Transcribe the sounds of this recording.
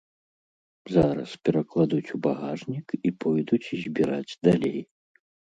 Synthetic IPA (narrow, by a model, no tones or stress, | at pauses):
zaɾɐ̰spʲɛɾɐklˠad̪ut͡sʲubaɣaʐnʲikipɔjd̪ut͡sʲizʲbʲiɾad͡zʲd̪alʲḛj